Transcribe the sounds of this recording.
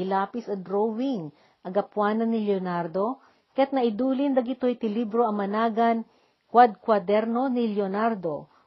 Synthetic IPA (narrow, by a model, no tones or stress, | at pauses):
ɪlaːpɪsɐd̪ɾowɪŋ | ʔɐɡɐpwaːnɐnːɪljonaɾd̪o | kɐjat̪̚nɐʔɪd̪uːlɪnd̪ɐɡɪt̪ojt̪ɪlibɾoɐŋmɐnaːɡɐn | kwad̪̚kwad̪ɛɾno̞nɪljonaɾd̪o